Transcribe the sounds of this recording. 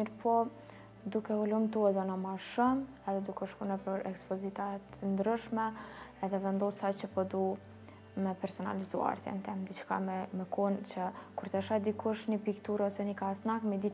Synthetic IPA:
iɾpʰɔ | d̪ukɛulumt̪uɛd̪ɔnɔmaʃɔm | ɛðɛd̪ukɔʃkunɛpəɾɛkspɔzit̪at̪nd̪ɾyʃmɛɛðɛvɛnd̪ɔsat͡ɕəpɔd̪u | mɛpɛɾsɔna̰lizua̰ɾt̪ɛ̰nt̪ɛmd̪it͡ʃka̰mɛmɛkunt͡ɕəkuɾt̪ɛʃaɛd̪ikuʃɲəpikt̪uɾɔsɛnikasnakmɛd̪i

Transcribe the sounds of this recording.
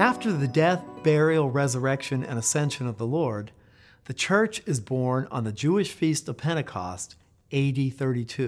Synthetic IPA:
æftə˞ðɨdɛθb̥ɛɹil̩ˠɹɛzə˞ɛkʃɨ̃nɨ̰̃ñɨsɛ̃nʃɨ̃nʌvðəlɔɹd̪̚ | ðɨt͡ʃʰɜ˞t͡ʃɨzbɔɹnə̰̃nðɨd͡ʒʉɨʃfistʌv̥pʰɛ̃ɾ̃ɨkʰɑ̰st | eɪɾiθɜ˞ɾitʰʉ

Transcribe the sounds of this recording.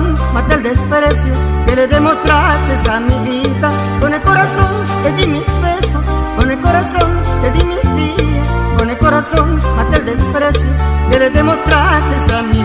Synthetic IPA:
n | mat̪eld̪espɾɛsjo | keleðemot̪ɾasesamiβit̪a | konekoɾaθon | ed̪imispesokonekoɾaθoŋed̪imist̪ilekonekoɾaθonmat̪ɛld̪espɾɛsjokeled̪emost̪ɾasesami

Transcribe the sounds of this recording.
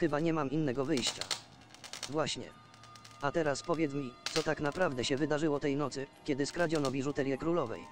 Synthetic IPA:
xɘbaɲɛmaminːɛɡɔvɘjɕt͡ɕa̰ | vwaɕɲɛ̰ | at̪ɛɾaspɔvʲjɛt̪smʲit̪sɔt̪aknapɾavd̪ɛɕɛvɘd̪aʐɘwɔt̪ɛjnɔt̪sɘkʲɛd̪ɘskɾad͡ʑɔnɔvʲiʐut̪ɛlʲjɛkɾulɔvɛ̰j

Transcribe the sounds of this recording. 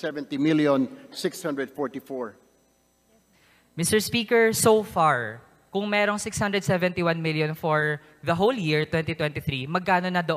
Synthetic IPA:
sɛvɛ̃nt̪imiljɔ̃nsɪkshãnd̪ɹɛd̪̚fɔɹt̪ifɔɹ | mɪst̪ɛɹspiːkɛɹsofaɹ | kʊŋmɛːɾo̞ŋsɪkshand̪ɾɛd̪̚sɛvɛ̃nt̪iwanmɪljõnfoɹ | ðɐɦoljiɹt̪wɛ̃nt̪it̪wɛ̃nt̪iθɾimɐɡ̚kaːnonɐd̪ɐʔ

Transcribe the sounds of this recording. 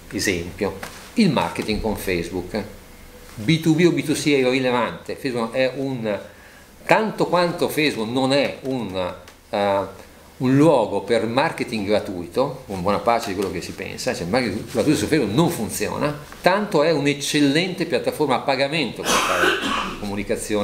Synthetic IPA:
ezɛmpjo | ilma̰rket̪iŋɡkoɱfejzbuk | bit̪ubiobit̪usiɛirilevant̪efɛjzbukɛʔun | t̪ant̪okwant̪ofejzbuknonɛun | unlwɔːɡopermarket̪iŋɡɾat̪uit̪oumbwɔnapaːt͡ʃed̪ikwelːokesːipɛ̰nsat͡ʃɛilmaɾket̪iɡɾat̪uit̪osufejzbuknoɱfunt̪sjo̰ːna | t̪ant̪oɛunet͡ʃːelːɛnt̪epjat̪ːaformaːpːaɡament̪okest̪akomunikat̪sːjoː

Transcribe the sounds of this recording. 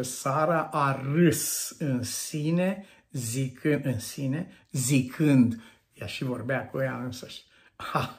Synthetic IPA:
esaɾəʔarɨsɨnsine | zikʰɨɨnsine | zikʰɨnd̪ | jaʃivo̞rbeakujaɨnsəʃʲ | ha

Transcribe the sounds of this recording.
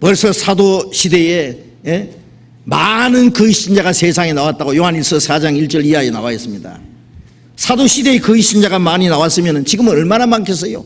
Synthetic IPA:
pwʌɭs͈ʰʌsʰadoɕʰide̞je | je̞ | manɯnkɯiɕ͈ind͡ʑaɡase̞sʰaŋenawat̚t͈aɡojoɦaniɭs͈ʰʌsʰad͡ʑaŋiɭt͡ɕ͈ʌɾiaenawaes͈ɯmɲida̰ | sʰadoɕʰide̞ekɯiɕ͈ʰind͡ʑaɡamaɲinawas͈ɯmjʌnɯnt͡ɕiɡɯmɯnʌɭmanamaŋkʰes̬͈ʌjo̰

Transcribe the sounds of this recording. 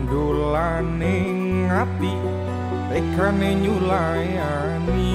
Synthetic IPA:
ndo | la | ne | ŋat̪i | ɾekaneɲula | ja | ni

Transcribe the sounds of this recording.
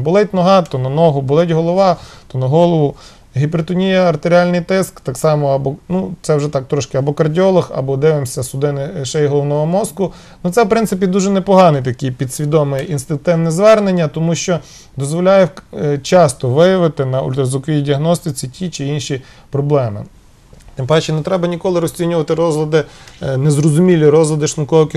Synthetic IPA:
bʊlˠɛtʲnɔɦɑt̪ɔnɐnɔɦʊbʊlˠɛtʲɦɔlˠɔʋɑt̪ɔnɐɦɔlˠɔʋʊ | ɦʲipeɾt̪ɔnʲijɐɐrt̪eɾʲialʲnɪjt̪ɪskt̪ɑksɑmɔɐbɔnut̪sɛwʒɛt̪ɑk̚t̪ɾɔʃkɪɐbɔkɐrdʲiɔlˠɐxɐ̰bɔd̪ɪʋemsʲɐsʊd̪ɪnɪʃɛjɦɔlˠɔwnɔɦɔmɔskʊ | nut̪sɛwpɾɪnsɪpʲid̪uʒɛnɛpɔɦɑnɪjt̪ɐkijpʲid̪sʲʋʲid̪ɔmɪʔinst̪ɪnk̚t̪ɪwnɛzʋɛrnenʲːɐt̪ɔmuʃt͡ʃɔ | d̪ɔzʋɔlʲajɛt͡ʃɑst̪ɔʋɪjɐʋɪt̪ɪnɐʊ̰lʲt̪ɾɐzˠʊkʋʲidʲiɐɦnɔst̪ɪt͡sʲitʲʰit͡ʃɪinʃi | pɾɔblˠɛmɪ̰ | t̪ɪmpɑt͡ʃːɛnɛt̪ɾɛbɐnʲikɔlˠɪɾɔsʲt͡sʲinʲʊʋɐt̪ɪɾɔzlˠɐd̪ɪnezɾɔzʊmʲilʲiɾɔzlˠɐd̪ɪʃnʊkɔɦɔkʲɪ

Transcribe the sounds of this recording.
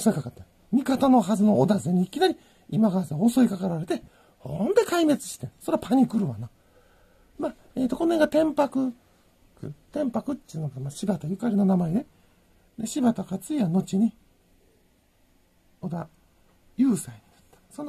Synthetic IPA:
osoikakat̪ːa | mʲikat̪ano̞ɦazɨno̞ːd̪azeɲ̟iikʲinaɾʲi | imaɡazaoso̞ikakaɾaɾe̞t̪e̞ | hond̪e̞kaime̞t͡sɨ̥ɕi̥t̪ẽso̞ɾeapʰaɲ̟ikɯ̟ɾɯ̟βa̰na | ma | eːt̪oko̞noeɡat̪ẽ̞mpakɯ̟ | kɯ̰t̪ẽ̞mpakɯ̟tːinokmaɕibat̪ajɯ̟kaɾʲino̞namaed̪e̞ | d̪e̞ɕibat̪okat͡sɨiβano̞t͡ɕiɲ̟i | od̪a | jɯ̟ːsaiɲinat̪ːḁsono

